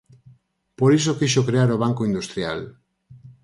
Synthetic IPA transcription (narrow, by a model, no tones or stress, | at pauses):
poɾisokiʃ̬okɾeaɾoβ̞aŋkoind̪ust̪ɾja̰l